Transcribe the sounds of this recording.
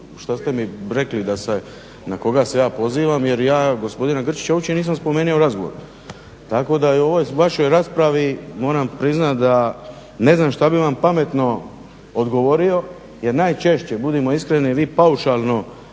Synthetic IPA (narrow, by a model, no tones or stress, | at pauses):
ʃt̪ast̪e̞miɾe̞klid̪ase | nako̞ɡasejaːpo̞ziːʋamje̞ɾjaːɡo̞spo̞d̪inaɡr̩t͡ʃi̥t͡ɕaut͡ʃeniːs̬amspo̞me̞ːnioɾazɡo̞ʋo̰ɾ | t̪ako̞d̪auo̞ʋo̞jʋaʃo̞jɾaspɾaʋimo̞ːɾampɾiznat̪d̪a | ne̞znaːmʃt̪abiʋampame̞t̪no̞ | od̪ɡo̞ʋo̞ɾio̞ | je̞ɾnaːjt͡ʃe̞ʃt͡ɕe̞bud̪imo̞iskɾeniʋiːpauʃalˠno̞